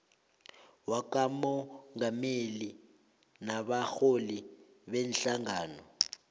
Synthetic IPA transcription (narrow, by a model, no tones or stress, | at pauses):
wakamɔŋameli | naɓaxoli | ɓɛnɬaŋaːnɔ